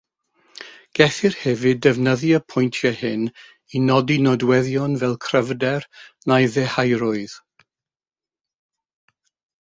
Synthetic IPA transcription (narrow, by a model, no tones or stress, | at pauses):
ɡ̥ɛθɪrhɛvɨdɛvnəðiəpʰɔjntʰjahɪn | inɔdinɔdwɛðjɔnvɛlˠkʰrəvdɛrnajðɛhajɾʊɨð̥